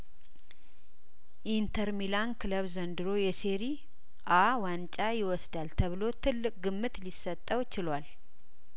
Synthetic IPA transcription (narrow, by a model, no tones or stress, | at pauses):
ʔint̪ʰəɾmilankʰɨləβzənd̪ɨɾojɛseɾi | ʔawant͡ʃʼajɪwɔsd̪alt̪ʰəβɨlo̞t̪ʰɨlːɨkʼɡɨmːɨt̪lisːət̪ʼːəwt͡ʃɪlwal